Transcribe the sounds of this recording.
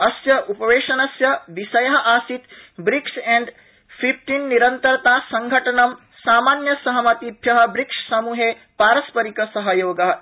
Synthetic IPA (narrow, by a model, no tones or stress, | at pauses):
ɐsjɐʔupɐʋeːʃɐnɐsjɐʋisɐjɐɦɐʔaːsit̪bɾiksɛ̃ɳɖ | pʰip̚ʈinːiɾɐnt̪ɐɾt̪aːsɐŋɡʱɐʈɐnɐm | saːmaːnjɐsɐɦɐmɐt̪ibʱjɐɦɐ̆bɾikʂsɐmuːɦe | paːɾɐspɐɾikɐsɐɦɐjoːɡɐɦ